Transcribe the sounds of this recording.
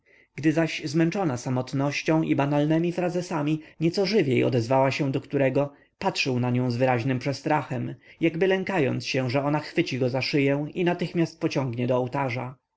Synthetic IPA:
ɡ̥d̪ɘzaɕzmɛnt͡ʂɔnasamɔt̪nɔɕt͡ɕɔ̃w̃ʔibanalnɛmʲifɾazɛsamʲiɲɛt̪sɔʐɘvʲjejɔ̰d̪ɛzvawaɕɛ̃d̪ɔkt̪uɾɛɡɔ | patʂɘwnaɲɔ̃w̃zvɘɾaʑnɘmpʂɛst̪ɾaxɛmjaɡbɘlɛŋkajɔ̰nt̪sɕɛ̃ʐɛɔnaxfɘt͡ɕiɡɔzaʂɘjɛw̃inat̪ɘxmʲjast̪̚pɔt͡ɕɔ̃ŋɡɲɛd̪ɔːwt̪aʐa

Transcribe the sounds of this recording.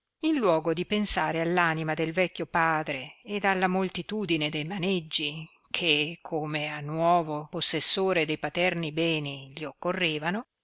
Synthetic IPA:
inlwɔːɡod̪ipensaːɾealːaːnimad̪elvɛkʲːopaːd̪ɾeːd̪alːamolt̪it̪uːd̪ined̪ejmaned͡ʒːi | kʰekʰːomeanːwɔːvoposːesːoːɾed̪ejpat̪ɛrnibɛːniʎiokːorːeːvano

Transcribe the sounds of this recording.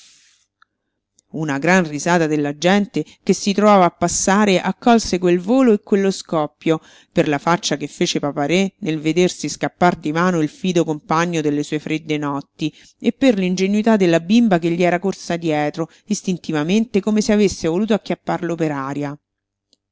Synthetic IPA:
unaɡɾanrizaːt̪ad̪elːad͡ʒɛnt̪ekesːit̪ɾovaːvaːpːasːaːɾeʔakːɔlsekwelvoːloekːwelːoskɔpːjo | perlafat͡ʃːakefːeːt͡ʃepapaɾenelved̪ersiskapːard̪imaːnoilfiːd̪okompaɲːod̪elːesuːefɾed̪ːenɔt̪ːi | epːerlind͡ʒenuit̪ad̪ːelːabimbakeʎːiɛːɾakorsad̪jɛːt̪ɾo | ist̪int̪ivament̪ekomeseavesːevoluːt̪oakːjapːarlopeɾaːɾja

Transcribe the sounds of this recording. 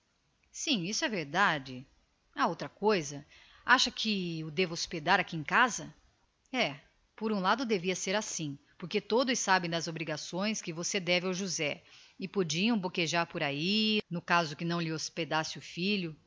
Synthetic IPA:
sĩisʊɛveɾd̪ad͡ʒɪ | aowt̪ɾɐkojzɐ | aʃɐkʰɪʊd̪evɐosped̪aɾakiẽkazɐ | ɛ | poɾũlad̪ʊd̪eviɐseɾasĩ | poɾket̪od̪ʊsːabẽj̃d̪ɐzobɾiɡasõj̃skɪvosed̪ɛvɪawʒuzɛɪpod͡ʒiɐ̃w̃bokeʒaɾpoɾainʊkazʊkɪnɐ̃w̃lɪosped̪asɪʊfiʎʊ

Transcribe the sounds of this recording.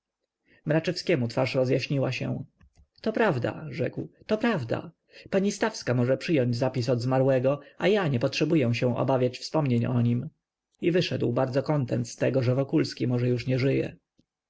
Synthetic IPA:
mɾat͡ʂɛfskʲɛmut̪faʂɾɔzjaɕɲiwaɕɛ̰̃ | t̪ɔpɾavd̪a̰ʐɛkwt̪ɔpɾavd̪a̰ | paɲist̪afskamɔʐɛpʂɘjɔɲd͡ʑzapʲis̬ɔd̪zmaɾwɛɡɔajaɲɛpɔtʂɛbujɛw̃ɕɛ̃w̃ʔɔ̰bavʲjat͡ɕfspɔmɲeɲɔɲim | ivɘʂɛd̪wbaɾd̪zɔkɔnt̪ɛnt̪st̪ɛɡɔʐɛvɔkulskʲimɔʐɛjuʂɲɛʐɘjɛ̰

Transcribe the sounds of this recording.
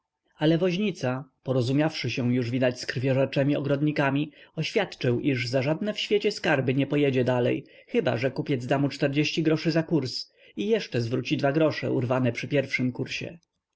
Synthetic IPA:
alɛvɔʑɲit̪sapɔɾɔzumʲjafʂɘɕɛw̃juʐvʲid̪at͡ɕskɾvʲjɔʐɛt͡ʂɛmʲiɔɡɾɔd̪ɲikamʲiɔɕfʲjat̪t͡ʂɘwʔiʐzaʐad̪nɛfɕfʲjet͡ɕɛskaɾbɘɲɛpɔjɛd͡ʑɛd̪alɛ̰j | xɘba̰ʐɛkupʲjɛd̪zd̪amut͡ʂt̪ɛɾd͡ʑeɕt͡ɕiɡɾɔʂɘzakuɾs | ijɛʂt͡ʂɛzvɾut͡ɕid̪vaɡɾɔʂɛ̰ṵɾvanɛpʂɘpʲjɛɾfʂɘmkuɾɕɛ̰

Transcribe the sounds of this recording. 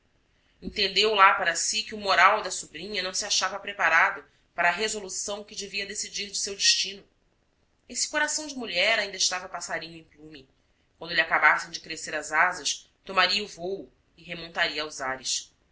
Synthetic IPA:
ẽñt̪ẽnd̪ewlapaɾɐsikɪʊmoɾawd̪ɐsubɾĩɲɐnɐ̃w̃siaʃavɐpɾepaɾad̪ʊ | paɾɐːɦezolusɐ̃w̃kɪd͡ʒeviɐd̪esid͡ʒiɾd͡ʒɪsewd͡ʒɪʃt͡ʃĩnʊ | esɪ̥koɾasɐ̃w̃d͡ʒɪmuʎɛɾaĩd̪ɐɪʃt̪avɐpasaɾĩɲʊẽj̃plũmi | kwɐ̃nd̪ʊliakabasẽj̃d͡ʒɪkɾeseɾɐzazɐʃ | t̪omaɾiɐuvowʊ | ɪɦemõnt̪aɾiɐːwzaɾɪʃ

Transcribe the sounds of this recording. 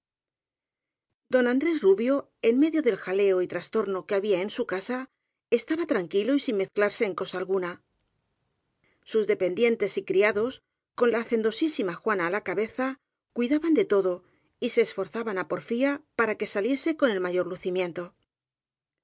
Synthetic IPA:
d̪o̞nand̪ɾe̞zruβjo̞ | e̞nme̞ðjo̞ðe̞lxale̞o̞it̪ɾast̪o̞ɾno̞keaβiae̞nsukasa | e̞st̪aβat̪ɾaŋkilo̞isinme̞θklaɾse̞ːŋko̞saːlɣuna | suzðe̞pe̞nd̪je̞nt̪e̞sikɾiaðo̞s | ko̞nlaːθe̞nd̪o̞sisimaxwanaːlakaβe̞θa | kwiðaβand̪e̞t̪o̞ðo̞ | ise̞ːsfo̞ɾθaβanapo̞ɾfiapaɾake̞salje̞se̞ko̞ne̞lmaʝo̞ɾluθimjẽ̞nt̪o̞

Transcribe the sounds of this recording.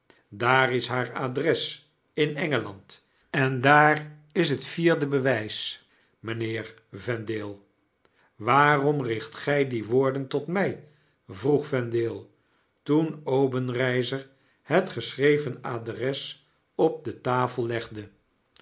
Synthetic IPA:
daːrɪsɦaːɹadrɛs | ɪnɛŋəlɑnt | ɛndaːrɪs̬ɦətfiːɹdəbəʋɛjs | mənɪːɹ | vɛndɪːlˠ | ʋaːrɔmrɪχtχɛjdiʋʊːɹdəntɔtmɛj | vruχfɛndɪːlˠ | tunowbənrɛjzəɹ | hətχəsrejvənadrɛs | ɔp̚dətaːfəlˠlɛχdə

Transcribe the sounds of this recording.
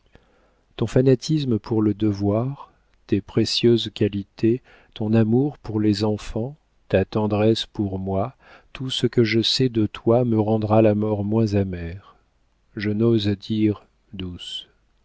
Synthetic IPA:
t̪ɔ̃fanat̪ʰisməpʰuʁləd̪əvwaʁ | t̪epχesjøzkʲalit̪ʰe | t̪ɔ̃namuʁpuʁlezɑ̃fɑ̃ | t̪at̪ɑ̃d̪ʁɛspuʁmwa | t̪ʰusəkəʒəsɛd̪ət̪waməʁɑ̃d̪ʁalamɔʁmwɛ̃zamɛʁ | ʒənozd̪iʁ | d̪us

